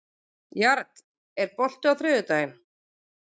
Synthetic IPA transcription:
jaɾt̪ | ɛɾpɔl̥t̪ʏawθɾʏːðʏt̪aːjɪm

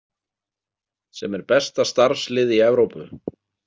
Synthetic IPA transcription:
sɛmɛɾpɛst̪ast̪aɾ̥slɪːðiɛvɾowpʏ

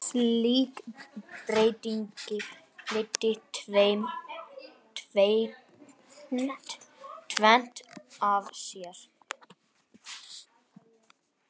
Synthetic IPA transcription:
liːkpɾeːjt̪iɲcɪ | lɪt̪ːɪt̪ʰvejm | t̪ʰvej | nt̪t̪ʰvɛn̥t̪avsjɛɾ̥

